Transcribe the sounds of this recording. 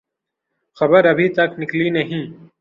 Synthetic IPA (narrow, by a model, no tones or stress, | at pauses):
xɐbəɾɐbʱiːt̪ɐknɪkliːnɐɦĩː